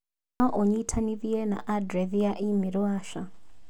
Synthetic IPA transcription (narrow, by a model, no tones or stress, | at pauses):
aʔɔɲitʰaniðiɛna̰ʔadɾɛðiaʔimiɾwaʃa